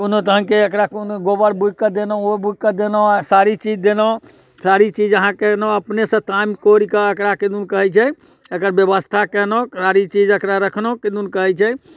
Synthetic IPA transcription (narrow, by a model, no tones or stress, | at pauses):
unot̪əɦənkeəkɾakunɡobəɾbʱukəd̪enɔobuɡkəd̪enɔsaɾit͡ʃid͡ʒd̪enɔ | saɾit͡ʃid͡ʒəɦãkenɔəpnesə̃t̪amkoɾikəəkɾaked̪unkəɦɛt͡ʃʰɛ | əkəɾbjəbəst̪ʰakɛnɔsaɾit͡ʃid͡ʒəkɾaɾəkʰnoked̪unkəɦɛt͡ʃʰɛ